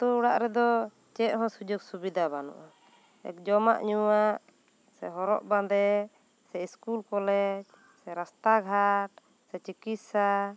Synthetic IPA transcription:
t̪uuɽaʔɾɛd̪ɔ | t͡ʃɛʔ̪̚ɦɔ̃sud͡ʒuɡsubid̪abanṵʔa | ɛ̰kd͡ʒɔma̰ʔɲuwaʔ | sɛɦɔɾɔ̰ʔbad̪ɛ | sɛiskulkɔlɛd͡ʒ | sɛɾast̪aɡʱaʈ̚ | sɛt͡ʃikit̪sa

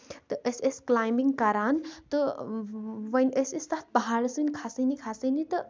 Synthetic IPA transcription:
t̪ɨʔəsesklaːjmiŋɡkɐɾaːnt̪ɨ | ʋɐnʲəsəsat̪̚ʰbɐɦaːɾəsɨnʲkʰasənikʰasənit̪ɨ

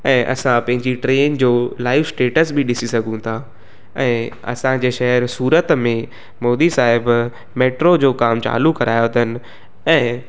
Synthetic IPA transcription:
ɛ̃ːʔɐ̰sãpɐ̃ɦɪ̃ɲd͡ʑiʈɾeːnd͡ʑoːlaːɪfsʈeːʈəsbʱiɗɪsisɐɡʱũt̪ʰa | ɛ̃ːɐ̰sãd͡ʑeːʃɐɦəɾsuːɾət̪mẽ | moːd̪isaːɦɪb | meːʈɾod͡ʑoːkaːmt͡ɕa̰ːlukɐɾaːjot̪ʰənɪ̆ | ɛ̃ː

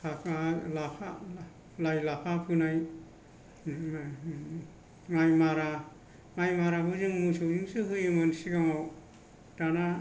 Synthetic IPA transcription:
kʰapaalapʰa̰ | lajlapʰapʰɯnaj | ŋajmaɾa | ŋajmaɾaɦɯzɯŋmusɯwziŋsɯɦɯjɯmɯnsiɡamaw | d̥ana

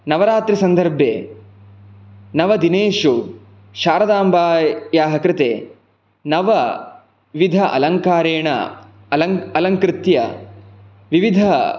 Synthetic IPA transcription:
nɐʋɐɾaːt̪ɾisɐnd̪ʱɐɾbʱjḛː | nɐʋɐd̪ineːʃu | ʃaːɾɐd̪aːmbaːjaːɦɐkɾɪt̪eː | nɐʋɐ | ʋid̪ʱɐʔɐ̰lɐŋkaːɾeːɳɐ̰ | ɐlɐŋkɾɪt̪jɐ̰ | ʋiʋid̪ʱɐ

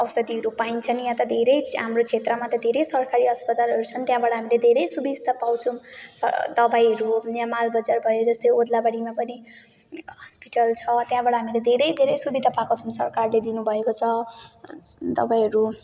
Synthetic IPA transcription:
ʌwsʌd̪iɦʌɾupaint͡sʰʌnjãt̪ʌd̪ʱeɾʌjɦamrot͡sʰet̪rʌmat̪ʌd̪ʱeɾʌjsʌrkaɾiɦʌspʌt̪alɦʌɾut͡sʰʌnt̪jãbaɽʌɦamiled̪ʱeɾʌjsubid͡zt̪apawt͡sʰumsʌ̰d̪ʌbajɦʌɾunamalbʌd͡zarbʱʌjod͡zʌst̪ʌjod̪labaɽimapʌni | ɦʌspiʈʌlt͡sʰʌt̪jãbaɽʌɦamiled̪ʱeɾʌjd̪ʱeɾʌjsubid̪ʱapakot͡sʰʌmsʌrkarled̪inubʱʌekot͡sʰʌ | d̪ʌ̰bajɦʌɾu

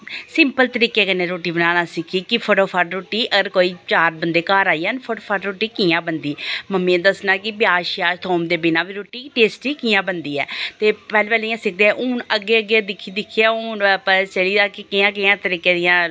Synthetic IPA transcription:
sɪmpəlt̪əɾiːkeːkənẽːɾoːʈiːbənaːnaːsɪkʰiːkɪpʰoːʈoːpʰaːʈɾoːʈiːʔəɡəɾkoːiːt͡ʃaːɾbənd̪eːkaːɾaːijaːnpʰoːʈoːpʰaːʈɾoːʈiːkɪjãːbənd̪iːməmːĩẽd̪əsnãːkɪbjaːʃɪjaːʃt̪ʰoːmd̪eːbɪnãːʋiːɾoːʈiːʈeːsʈiːkɪjãːbənd̪iːɛ̰ːt̪eːpɛːlːpɛːlijãːsɪk̚ʰd̪eɛʔuːnəɡːeːəɡed̪ɪkʰːiːd̪ɪkʰːijaːʊːnpət͡ʃəliːd̪aːkɪkɪjãːkɪjãːt̪əɾiːkeːd̪ɪjãː

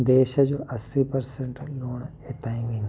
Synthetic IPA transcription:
d̪eːʃəd͡ʑoːʔɐsipɐɾseɳʈloːɳet̪aːĩʋẽːnd̪

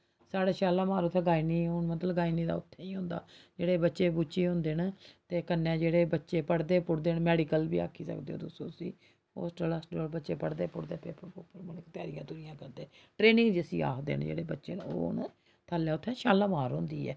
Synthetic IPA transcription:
saːɽeːʃaːlaːmaːɾʊt̪ʰːɛ̃ːɡaːiːniːɦʊnmət̪ləɡaːiniːd̪aːʊt̪ʰːeːĩːɦõːnd̪aːd͡ʒeːɽeːbətːʃeːbuːt͡ʃeːɦʊ̃ːnd̪eːnt̪eːkənːɛ̃ːd͡ʒeːɽeːbətːʃeːpəɽd̪eːpʊɽd̪eːnmɛːɖiːkəlbḭːa̰ːkʰːiːsə̰kd̪eːo̰ːd̪ʊsõ̰ːsḭː | ho̰ːsʈəlaːsɖoːlbətːʃeːpəɽd̪eːpʊɽd̪eːpʰepɾpʊpːəɾmʊnɪkt̪jɛaːɾɪjã̰ːt̪uɾijãːkəɾd̪eːʈɾeːnɪ̃ŋɡd͡ʒɪəsḭːa̰ːkʰd̪ḛːnd͡ʒḛːɽeːbətːʃeːno̰ːnː | t̪ʰaːljaːʊt̪ʰːɛ̃ːʃaːlaːmaːɾɦʊ̃ːnd̪iːɛ̰ː

